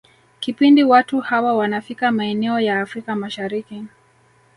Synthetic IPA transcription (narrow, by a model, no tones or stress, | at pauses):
kipindiwatuhawawanafikamaɛnɛɔjaːfɾikamaʃaɾiki